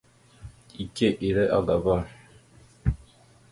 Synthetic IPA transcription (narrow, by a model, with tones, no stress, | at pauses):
i˨ke˦ʔi˨ɾɛ˦ʔa˦ɡa˨ba˦˨